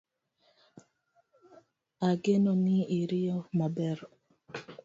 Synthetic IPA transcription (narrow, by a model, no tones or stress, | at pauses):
aɡenɔnɪiɾijɔmabɛɾɔ